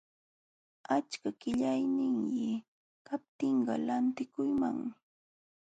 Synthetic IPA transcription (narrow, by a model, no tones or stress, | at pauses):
at͡ʃkakɪʎajnɪŋjɪ | kap̚t̪ɪɴɢɑlant̪ɪkʊjma̰ŋmɪ